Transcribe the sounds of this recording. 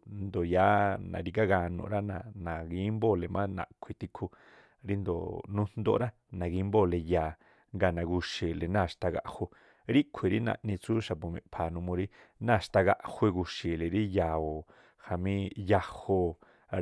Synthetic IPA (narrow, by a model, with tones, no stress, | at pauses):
nd̪o˨jaː˨˦nã̰˨ɾi˧ka˦ɡa˧nṵ̃˧˨ɾa˦nã˧˨nã˨ɡi˧˦mbo˦˨le˨mã˦nã̰˨kʷʰi˨˧t̪i˧kʰu˧ | ɾi˦nd̪o̰˨nũ˦n̥nd̪o̰˧˦ɾa˦ | nã˨ɡi˧˦mbo˦˨le˧jaː˨ | ŋɡa˧˨nã˨ɡu˧ʃi˨le˨nã˦˨ʃt̪a˧ɡa̰˧ʔho˧ | ɾi˦kʷʰi˨ɾi˦nã̰˧˨ʔnĩ˧t͡su˦ʃa˨pu˨mḛ̃˨pʰa˨nũ˧mõ˧ɾi˦nã˦˨ʃt̪a˧ɡa̰˧ʔhwe˧ɡu˧ʃi˨le˨ɾi˦ja˨o˨ | ha˨mĩ˦ja˧ho˧